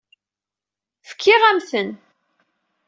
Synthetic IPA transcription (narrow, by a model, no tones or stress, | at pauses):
fə̥kʰːɪʁæmθən